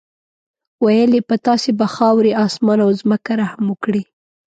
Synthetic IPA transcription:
wajəlepat̪ɑsebaxɑwɾeɑsmɑnawzməkaɾahaməkɽi

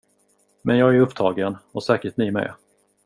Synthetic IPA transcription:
mɛnjɑːɡæɾɵpːt̪ʰɑːɡənɔsɛːkəʈnɪmɛ̰

